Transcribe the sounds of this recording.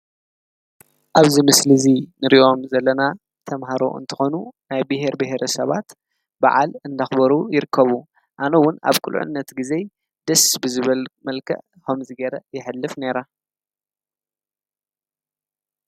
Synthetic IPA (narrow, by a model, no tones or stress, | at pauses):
ʔaβzimɨslɨzinɨɾiʔo̞mzɐlːɐna | t̪ʰɐmɦaɾo̞̰ʔɨ̰nt̪ʰɨ̥xo̞nunajbɨɦe̞ɾbɨɦeɾʔɐsɐβat̪ | ba̰ʕa̰lɨnd̪axbɐɾujɪɾɨkʰːɐβu | ʔanɐwʊna̰βkʰulʔʊ̰nːɐt̪ɡize̞ | d̪̥ɐsbɨzɨβɐlmɐlkʰɐ̰ʔ | komzɨɡɐɾɐjɪħɨlːɨfne̞ɾa